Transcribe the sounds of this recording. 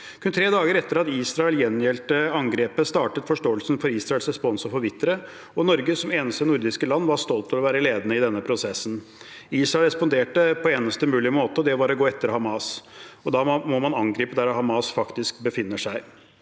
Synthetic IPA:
kʰʉnt̪ʰɾeːd̪ɑːɡəɾɛt̪ːəɾɑt̪iːsɾɑɛljɛnjɛlt̪əɑŋɡɾeːpəst̪ɑːʈət̪fɔʂʈoːəlsənfɔɾiːsɾɑɛlsɾɛspɔnsɔfɔɾʋɪt̪ːəɾə | ɔnɔɾɡəsɔmeːnəst̪ənʊɾd̪ɪskəlɑnːʋɑʂt̪ɔlt̪lɔʋæːɾəleːd̪ənəɪd̪ɛnːəpʰɾʊsɛsːn̩ | iːsɾɑɛlɾɛspɔnd̪eːʈəpʰɔeːnəst̪əmʉːlɪmoːt̪əɔd̪ɛʋɑɾɔɡoːɛt̪ːəɾhɑmɑsɔd̪ɑːmɔmɑnɑŋɡɾiːpəd̪æɾɔhɑmɑsfɑkt̪ɪskbəfɪnːəʂæɪ

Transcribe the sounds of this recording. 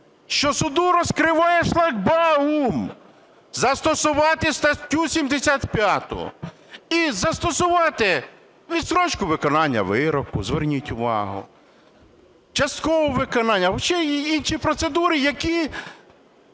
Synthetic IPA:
ʃt͡ʃɔsʊd̪uɾɔskɾɪʋɑjɛʃlˠɐɡbɑum | zɐst̪ɔsʊʋɑt̪ɪst̪ɐt̪ʲusʲimd̪esʲat̪pʲjat̪ʊ̰ʊ̰ | izɐst̪ɔsʊʋɑt̪ɪ | ʋʲid̪sɾɔt͡ʃkʊʋɪkɔnɑnʲːɐ̰ʋɪɾɔkʊzʋernʲitʲʊʋɑ̰ɦʊ̰ | t͡ʃɐst̪̚kɔʋɔʋɪkɔnɑnʲːɐɔʃt͡ʃɛinʃipɾɔt̪sed̪uɾɪjɐkʲi

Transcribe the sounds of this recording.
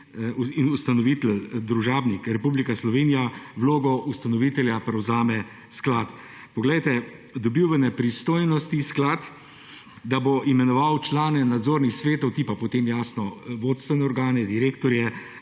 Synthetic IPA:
uinust̪anɔʋit̪ɛld̪ɾuʒaːbnikɾɛpublikaslɔʋeːnijaʋloːɡɔʔust̪anɔʋiːt̪ɛljapɾɛwzaːmɛ | sklaːt̪ | pɔɡlɛjt̪ɛ | d̪ɔbiwʋənɛpɾist̪oːjnɔst̪isklat̪ | d̪aboʔimɛnɔʋawt͡ʃlaːnɛnad̪zoːɾnixsʋeːt̪ɔwt̪ipapɔt̪eːmjaːsnɔʋoːt̪st̪ʋɛnɛɔɾɡaːnɛd̪iɾeːkt̪ɔɾjɛ

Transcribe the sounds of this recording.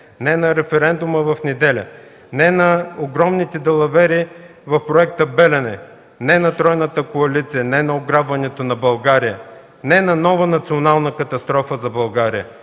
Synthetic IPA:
nɛnɐɾɛfɛɾɛnd̪ʊməvɐfnɛd̪ɛlʲə | nɛnɐoɡɾɔmnit̪ɛd̪ɛlˠɐvɛɾi | vɐfpɾoɛk̚t̪əbɛlʲɛnɛ | nɛnɐt̪ɾɔjnət̪əkoɐlit̪sijənɛnɐoɡɾabvɐnɛt̪onɐbɐlˠɡaɾijə | nɛnɐnɔvənɐt̪sionalˠnəkɐt̪ɐst̪ɾɔfəzɐbɐlˠɡaɾijə

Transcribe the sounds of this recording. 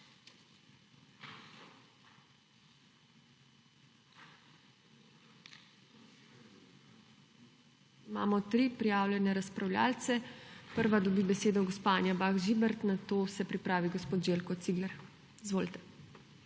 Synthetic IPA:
ma̰ːmɔt̪ɾiːpɾijaːwlʲjɛnɛɾaspɾawlja̰ːlt̪sɛpəɾʋad̪ɔbiːbɛseːd̪ɔɡospanʲjabaːɣʒibɛɾt̪nat̪oːsɛpɾipɾaːʋiɡospoːt̪ʒeːlkɔt̪siɡlɛɾ | izʋoːlit̪ɛ̥

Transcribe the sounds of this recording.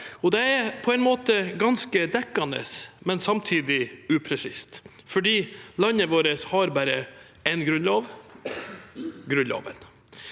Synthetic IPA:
ɔd̪ɛæɾpʰɔɛɪnmoːt̪əɡɑnskəd̪ɛkːɑnə̰smɛnsɑmt̪ʰiːd̪ɪʉːpʰɾɛsɪst̪fɔɖiːlɑnəʋoːɾəshɑɾbæɾə | ɛnɡɾʉnloːʋ | ɡɾʉnlo̰ːʋə̰n

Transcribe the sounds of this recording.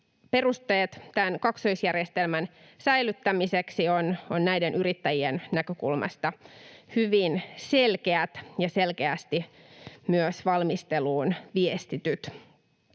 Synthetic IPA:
pe̞rust̪e̞ːt̪t̪ænkɑksoisjærjest̪elmæn | sæjlˑyt̪ːæmiseksiononnæjdenyɾit̪ːæjiennækøkṵlmʔɑ̰st̪ɑhyʋinse̞lke̞æt̪jɑse̞lkeæst̪i | myøsʋɑlmist̪e̞luːnʋiest̪it̪yt̪

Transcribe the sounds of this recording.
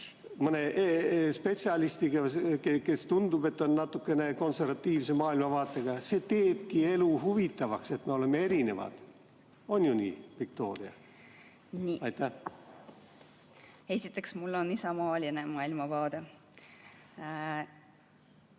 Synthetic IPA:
mɤne̞ʔspe̞t̪siɑlist̪iɡ̥ɑkeke̞st̪und̪ub̥e̞t̪ːo̞nːɑt̪ːˑukːˑe̞ne̞ko̞nse̞rvɑt̪ːiːvse̞mɑːilmɑvɑːt̪ːˑeɡ̥ɑse̞ːt̪e̞ːb̥̚kie̞luhuvit̪ːˑɑvɑkse̞t̪me̞o̞le̞mːe̞e̞ɾine̞vɑ̰d̪̥ | o̞nʲjunḭːvik̚t̪o̞ːɾiɑ̰ | niɑjt̪ːæh | e̞sʲit̪ːˑe̞ksmulːonisɑmɑːlʲinemɑːilmɑvɑːd̪̥e

